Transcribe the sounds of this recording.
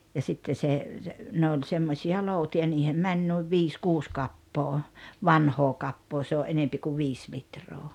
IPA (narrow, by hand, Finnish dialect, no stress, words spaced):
jɑ sitːe se se ne olʲ semːosiɑ loˑutiɑ niːhem mænʲ nuiʋ ʋiːs kuːs kɑpːoː ʋɑnhoː kɑpːoː se oæʔ ʔenempi ku ʋiːs litroː